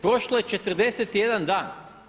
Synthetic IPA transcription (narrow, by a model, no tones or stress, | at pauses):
pɾo̞ʃlˠoje̞t͡ʃet̪r̩d̪e̞set̪ije̞d̪and̪aːn